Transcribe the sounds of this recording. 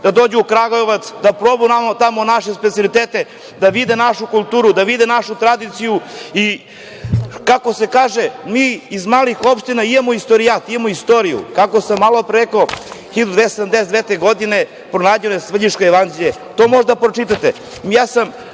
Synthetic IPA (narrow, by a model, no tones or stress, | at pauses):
d̪̥ad̪o̞ːd͡ʑuːkɾaɡoeʋat̪sd̪apɾobunamat̪amonaʃespet̪siolˠit̪eːt̪e | d̪aʋid̪enaʃukulˠt̪uːɾud̪aʋid̪enaʃut̪ɾad̪it̪sijui | kako̞se̞kaːʒemiːzmaːlixo̞pʃt̪inaijamoist̪oɾijat̪ijamoist̪oɾijṵkakosamːalopɾekooxid̪ud̪esed̪amd̪esed̪vet̪eɡod̪ine | pɾonaːd͡ʑenoesvr̩iʃkojeʋand͡ʑeʎe | t̪omo̞ʒd̪apɾot͡ʃit̪at̪e | mjaːsam